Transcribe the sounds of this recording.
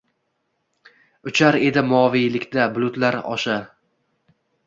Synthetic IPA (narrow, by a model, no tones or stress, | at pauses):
ʊt͡ʃʰaɾe̞d̪ɪmʊɒvijlɪkʲd̪ablˠʊt̪laɾɒ̰ʃa